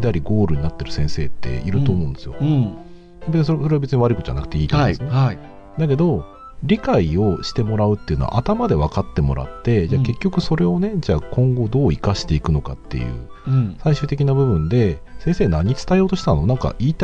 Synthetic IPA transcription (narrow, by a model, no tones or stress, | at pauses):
d̪aɾʲiɡo̞ːɾɯ̟ɲ̟nat̪ːe̞ɾɯ̟sẽ̞ɰ̃se̞ːt̪ʰːe̞̰iɾɯ̟t̪o̞ːmõ̞ːnd̪esɨjo̰ | ebeisoso̞ɾe̞abe̞t͡sɨɲiβaɾɯkɯd͡ʑa̰nakɯ̟̥t̪eiːt̪om̰̃ːsonai | d̪ak̬e̞d̪o̞ | ɾʲikaio̞ɕi̥t̪e̞mo̞ɾaɯ̟t̪ːeiɯ̟no̞a̰ʔat̪amad̪e̞βakat̪ːe̞mo̞ɾa̰t̪ːe̞d͡ʑake̞kʲːokɯ̟so̞ɾe̞o̞ne̞d͡ʑakõ̞ŋɡo̞d̪o̞ːikaɕi̥t̪e̞ikɯ̟no̞ka̰t̪ːe̞̰jɯ̟̰ː | saiɕɨ̟ːt̪̬e̞kʲinabɯ̟bɯ̟̃nd̪e̞sẽ̞ɰ̃seːnaɲ̟it͡sɨ̥t̪aijo̞ːt̪o̞ɕi̥t̪anonãŋka̰ʔiːt̪